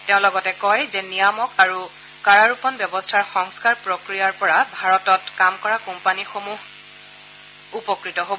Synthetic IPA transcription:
teʊ̃lɔɡɔtɛkɔjzɛnijamɔkaɹu | kaɹaɹupɔnbjɔbɔstʰaɹxɔŋskaɹpɹokɹijaɹpɔɹabʱaɹɔtɔtkamkɔɹakɔmpanixomuɦ | upɔkɹitɔɦobɔ

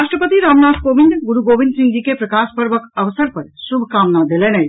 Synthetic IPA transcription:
aʃʈɾəpət̪iɾamnad̪kobiɳɖɡuɾuɡobinɖsĩŋɡikepɾəkaspəɾʋəkəʋəsəɾpəɾsubʱkamnad̪elenəj

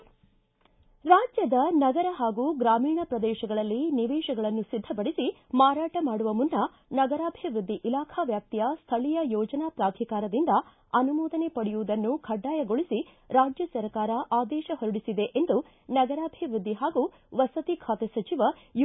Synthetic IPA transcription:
ɾaːd͡ʒjɐd̪ɐnɐɡɐɾɐɦaːɡuɡɾaːmiːɳɐpɾɐd̪ɛːʃɐɡɐɭɐlːiniʋɛːʃɐɡɐɭɐnːusid̪ʱːɐpɐɽisimaːɾaːʈɐmaːɽuʋɐmunːɐ | nɐɡɐɾaːbʱiʋɾud̪ːiʔilaːkʰɐʋjaːk̚t̪ijɐst̪ʰɐɭijɐjɔːd͡ʒɐnapɾaːd̪ʱikaːɾɐd̪ind̪ɐ | ɐnumɔːd̪ɐne̞pɐɽijuʋud̪ɐnːukʰɐɖːaːjɐɡoɭisi | ɾaːd͡ʒjɐsɐɾkaːɾɐʔaːd̪ɛːʃɐɦoɾuɽisid̪e̞ʔend̪u | nɐɡɐɾaːbʱiʋɾud̪ʱːiɦaːɡu | ʋɐsɐt̪ikʰaːt̪esɐt͡ʃiʋɐ | j

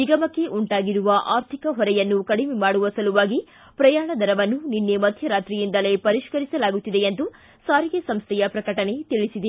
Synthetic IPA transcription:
iɡɐmɐkːe̞ʔuɳʈaːɡiɾuʋɐʔaːɾt̪ʰikɐɦɔɾɛjɐnːukɐɽimemaːɽuʋɐsɐluʋaːɡi | pɾɐjaːɳɐd̪ʱɐɾɐʋɐnːuninːemɐd̪ʱjɐɾaːt̪ɾijind̪ɐle̞pɐɾiʃkɐɾisɐlaːɡut̪ːid̪e̞end̪u | saːɾiɡesɐmst̪ʰɛjɐpɾɐkɐʈɐne̞t̪iɭisid̪e

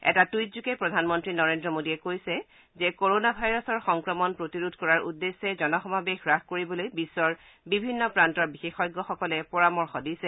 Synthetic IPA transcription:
ɛ̰tatujtzukɛpɹɔdʱanmɔntɹinɔɹendɹɔmodiɛkojsɛ | zɛkoɹonabʱajɹɔsɔɹxɔŋkɹɔmɔnpɹotiɹudʱkɔɹaɹudːesːɛzɔnɔxɔmʱabexɹakkoɹibɔlojbisːɔɹ | bibʱinːɔpɹantɔɹbixexɔjɡːɔxɔkɔlɛpɔɹamɔɹxɔdisɛ

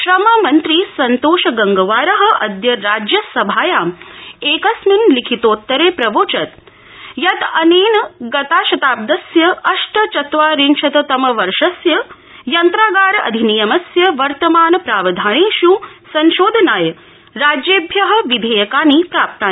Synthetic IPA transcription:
ʃɾɐmɐmɐnt̪ɾiːsɐnt̪oːʃɐɡɐŋɡɐʋaːɾɐɦɐ̆ʔɐd̪jɐɾaːd͡ʒjɐsɐbʱaːjaːmeːkɐsmunlikʰit̪oːt̪ːɐɾeːpɾɐʋoːt͡ʃɐt̪ | jɐt̪ɐneːnɐɡɐt̪aːʃɐt̪aːb̚d̪ɐsjɐɐʃʈɐt͡ʃɐt̪ʋaːɾinʃɐt̪ɐt̪ɐmɐʋɐɾʂɐsjɐ | jɐnt̪ɾaːɡaːɾɐʔɐ̰d̪ʱinijɐmɐsjɐʋɐɾt̪ɐmaːnɐpɾaːʋɐd̪ʱaːneːʃu | sɐnʃoːd̪ʱɐnaːjɐ | ɾaːd͡ʒjeːbʱjɐɦɐ̆ʋid̪ʱejɐkaːnipɾaːp̚t̪aːn

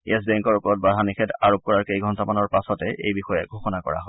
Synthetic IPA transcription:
ɛs̬bɛŋkɔɹupɔɹɔt̚badʱanixʰɛtaɹop̚kɔɹaɹkejɡʱɔntamanɔɹpasɔtɛʔḛjbixɔjɛɡʱoxɔnakɔ̰ɹa̰ɦɔ

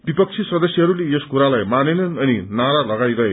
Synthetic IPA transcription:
b̥ipʌk̚t͡sʰisʌd̪ʌsjʌɦʌɾuleeskuɾalajmanenʌnʌninaɾalʌɡajɾʌɦe

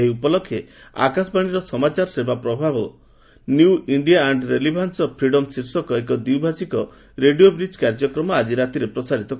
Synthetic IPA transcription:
ɦiupɔlɔkʰːjea̰kasɔbaɽ̃iɾɔsɔmat͡ʃaɾɔsebapɾɔbʱabɔ | nuwiɳɖijaːɳɖɾelibʱansɔpʰɾiɽɔmsiɾsɔkɔekɔd̪iwbʱasikɔ | ɾeɖijobɾid͡ʒkaɾd͡ʒɔkɾɔmɔad͡ʒiɾat̪iɾepɾɔsaɾit̪ɔk

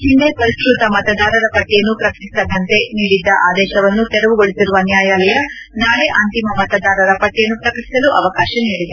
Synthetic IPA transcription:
hind̪epɐɾiskɾut̪ɐmɐt̪ɐd̪aːɾɐɾɐpɐʈːɛjɐnːupɾɐkɐʈisɐd̪ːɐnt̪e̞niːɽid̪ːɐʔaːd̪ɛːʃɐʋɐnːut̪ɛɾɐʋuɡoɭisiɾuʋɐːnjaːjaːlɐjɐ | naːɭeʔɐnt̪imɐmɐt̪ɐd̪aːɾɐɾɐpɐʈːejɐnːupɾɐkɐʈi̥sɐluʔɐʋɐkaːʃɐniːɽid̪e

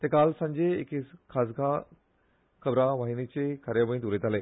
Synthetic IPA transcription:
t̪ekalsə̃ɲd͡ʑeḛkeskʰas̬ɡa | kʰəbɾaʋaɦinit͡ɕekʰaɾjaʋə̃ĩt̪ulet̪aleː

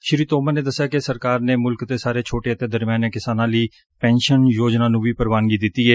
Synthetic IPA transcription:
ʃɪɾiːt̪oːmaːneːd̪əsːjaːkɪsəɾkaːɾneːmʊlkt̪eːsaːɾeːt͡ʃʰoːʈeːət̪eːd̪əɾmjaːneːkɪsaːnãːləiː | pɛ̃ːnʃənjoːd͡ʒnaːnũːʋiːpəɾʋaːnɡiːd̪ɪt̪ːiːɦɛː

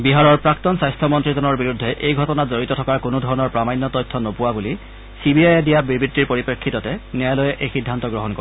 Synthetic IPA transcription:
biɦaɹɔɹpɹaktɔnsajstʰɔmɔntɹizɔnɔɹbiɹudʱːɛʔejɡʱɔtɔnazoɹitɔtʰɔkaɹkʊnodʱɔɹɔnɔɹpɹamajnːɔtɔjtʰːɔnopʊwabuli | sibiajɛdijabibɹitːiɹpoɹipekʰːitɔtɛnɛalojɛʔejxidʱːantɔɡɹɔɦɔnkɔ

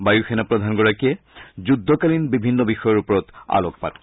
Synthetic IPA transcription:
bajuxenapɹɔd̪ʱanɡɔɹakijɛ | zudʱːɔkalinbibʱinːɔbixɔjɔɹupɔɹɔt̪a̰lɔk̚pa̰d

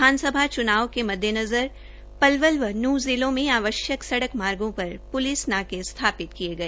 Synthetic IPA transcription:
aːnsəbʱat͡ʃʊnaːʋkemɐd̪ʱjənɐzəɾ | pɐlʋəlʋənuːzɪlõmẽaːʋəʃjəksɐɽəkmaːɾɡõpɐɾpʊlɪsnaːkest̪ʰaːpɪt̪kieɡɐeː

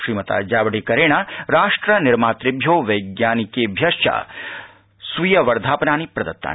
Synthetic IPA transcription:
ʃɾiːmɐt̪a̰d͡ʒaːʋɐɽekɐɾeːɽ̃aɾaːʂʈɾənɪɾmaːt̪ɾɪbʱjoːʋɐjɡjaːnikebʱjɐʃja̰ | sʋujɐʋɐɾd̪ʱaːpnaːnipɾɐd̪ɐt̪ːa̰ː

